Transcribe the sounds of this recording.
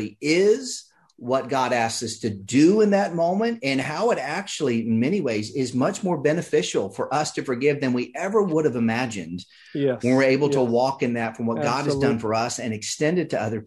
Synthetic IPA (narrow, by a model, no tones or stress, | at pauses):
iɪz̥ | wʌt̚ɡ̥ɑɾæsksʌstʰɨdɨɪ̃nðɨt̚mõʊ̃mɨ̃ntɨ̃nhaʊɨɾæk̚t͡ʃul̩ˠiɪ̃nmɛñiweɪzɪzmʌt͡ʃmɔɹbɛnɨfɪʃl̩ˠfə˞ʔʌstʰɨfə˞ɡɪvðɨ̃nwiʔɛvə˞wʊɾɨvɨmæd͡ʒɨ̰̃nd̥ | wɨ̃wə˞eɪbl̩ˠtʰəwɔkɨ̃nðɨtfɹʌ̃mwʌt̚ɡ̥ɑɾ̚ɨzdʌ̃nfə˞ʌsɨ̃nɨkstɛ̃ndɨd̚tʰɨʌðə˞